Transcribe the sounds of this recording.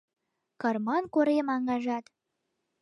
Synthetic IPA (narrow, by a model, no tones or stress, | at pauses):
kɑrmɑnkoɾemɑŋɡɑʒɑt̪